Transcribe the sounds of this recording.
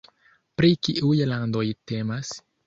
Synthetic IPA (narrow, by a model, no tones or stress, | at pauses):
pɾikiʔujlando̞jte̞mas